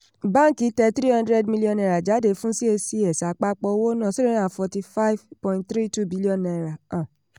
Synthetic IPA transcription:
bã˦ŋ̩˦ki˨˦tɛ˧t̪ɾi˦hɔ̃˧ndɾɛ˧dmi˧li˦ɔ̃˧nɛ˧˨ɾa˨d͡ʒa˨˦de˧˦fũ˦si˦e˧si˧ɛ˨sa˨˦k͡pa˧˦k͡pɔ˧wo˦nã˦˨si˦e˨˦nã˨fɔ˧ti˧fa˦i˦vpɔ̃˧ĩ˨t̚θɾi˦tu˦bi˨˦li˦ɔ̃˧˨na˧˨ɾa˨ã˨

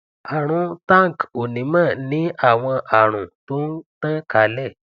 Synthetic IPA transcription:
a˨ɾ̃ũ˨˦ta˦˨ŋ˨ko˨nĩ˨˦mãː˦˨nĩ˦ʔa˦˨w̃ɔ̃˧ʔa˨ɾ̃ũ˨to˦n˦tã˦ka˨˦lɛ˦˨

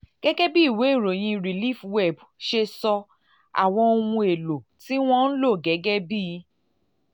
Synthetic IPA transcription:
ɡ̥ɛ˦ɡɛ˦bi˦i˦˨we˨˦i˦˨ɾo˨j̃ĩ˧ɾi˨li˦˨fwɛ˦˨b | ʃe˧sɔ˧ | a̰˨w̃ɔ̃˧o˧wũ˧e˨lo˨ti˦w̃ɔ̃˦n̩˦lo˦˨ɡɛ˨˦ɡɛ˦bi˦˧˦

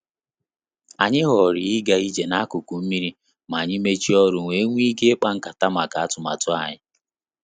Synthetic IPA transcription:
a˨ɲɪ˦ɦɔ˨ɾɪ˨ɪ˦ɡa˨i˦d͡ʒe˨na˦a˦kʊ˨ku˨m̩˦mi˦ɾi˦ | ma˨ɲɪ˦me˦t͡ʃi˦ɔ˦ɾʊ˨ŋʷe˦ŋʷ˦i˦ke˦k͡pa˦ŋ̩˦ka˨ta˦ma˨ka˨a˦tʊ˨ma̰˨tʊ˦a̰˨ɲɪ˦

